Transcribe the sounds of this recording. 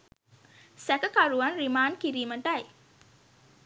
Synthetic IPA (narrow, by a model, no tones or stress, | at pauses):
sækəkaɾuʋanɾimaːnkiɾiːməʈaj